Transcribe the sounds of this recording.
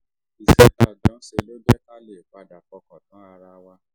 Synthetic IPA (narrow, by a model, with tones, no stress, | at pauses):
i˨sɛ˨˦ta˨˧˨d͡ʒɔ̃˨˦ʃe˧lo˦d͡ʒɛ˦ta˦le˨ɡ͡ba˧˦da˨kɔ˧kɔ̃˨tɔ̃˨˦a˧ɾa˧wa˦